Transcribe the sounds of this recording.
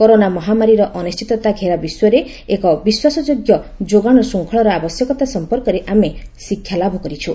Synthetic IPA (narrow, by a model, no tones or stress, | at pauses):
koɾonamɔɦamaɾiɾɔʔɔnist͡ʃit̪ɔt̪aɡʱeɾabiswɔɾe | ekɔbiswasɔd͡ʒoɡjɔd͡ʒoɡaɽ̃ɔsuŋkʰɔɭɔɾɔabɔsjɔkɔt̪asɔmpɔɾkɔɾeʔamesikʰjalabʱɔkɔɾit͡ʃʰu